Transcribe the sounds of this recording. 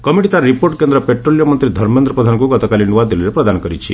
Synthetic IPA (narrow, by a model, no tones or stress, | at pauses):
kɔmiʈit̪aɾɾipoɾʈkend̪ɾɔpeʈɾolijɔmɔnt̪ɾid̪ʱɔɾmend̪ɾɔpɾɔd̪ʱanɔkuɡɔt̪ɔkalinuʋad̪iliɾepɾɔd̪anɔkɔɾit͡ʃʰḭ